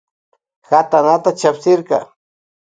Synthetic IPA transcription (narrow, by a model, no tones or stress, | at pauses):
xat̪anat̪at͡ʃapsɪɾkɑ̰